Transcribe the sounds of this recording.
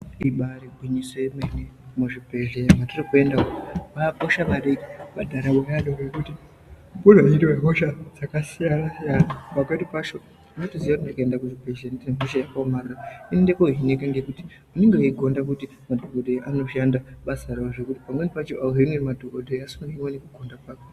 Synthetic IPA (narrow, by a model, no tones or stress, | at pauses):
iɓaɾibʱwiɲisojemenemuʐibʱe̞ʒematirikue̞ndaoʋapoʃaʋaɾekiʋadʱaɾaɓaaɗorekuti | pudʱaiɾiweɦoʃad͡zakasijanasijanapakedipat͡ʃo̞ | ut͡ʃotoziʋakutindikaendakuʐibʱeʒandneɦoʃajakaomarurainindekoɦinekaŋɡekuti̥ | muneŋɡeuiɡʱo̞ndak̬uti | madʱoɡodʱeʔano̞ʃandaɓasaraoʐekuti̥pamwenepat͡ʃoʔaoɦinemadʱokodʱeasuaniiwenekuɡʱondak̚aka